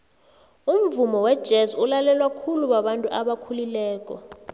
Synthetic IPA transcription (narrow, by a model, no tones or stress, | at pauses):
um̩vumɔwɛd̥ʒ̥ʱesulalɛlwakʰuluɓaɓantʼuʔaɓakʰulilɛːk̬ʼɔ